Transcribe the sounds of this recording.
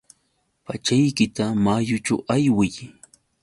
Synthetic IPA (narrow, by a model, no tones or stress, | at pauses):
pat͡ʃajkɪt̪amajʊt͡ʃa̰wajwɪj